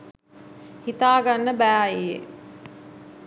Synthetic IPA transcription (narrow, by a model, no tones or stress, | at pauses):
hit̪aːɡanːəbæːaijḛ